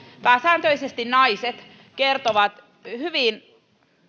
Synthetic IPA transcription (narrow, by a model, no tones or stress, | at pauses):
pæːsæːnt̪øisest̪innɑiset̪ | kert̪oʋɑt̪ | hyʋin